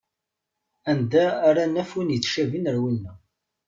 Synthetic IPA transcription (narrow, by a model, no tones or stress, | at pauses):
ænd̪æːɾanːæfunjit͡sːʃævinəɾwinːə